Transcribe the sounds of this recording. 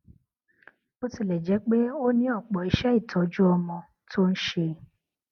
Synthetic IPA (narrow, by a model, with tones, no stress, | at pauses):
o˦ti˧˨lɛ˨d͡ʒɛ˨˦k͡pe˦o˦nĩ˧˦ɔ˦˨k͡pɔ˨i˧ʃɛ˦i˦˨tɔ˨˦d͡ʒu˦ɔ˧mɔ̃˧ | tʰo˦n̩˦ʃe˧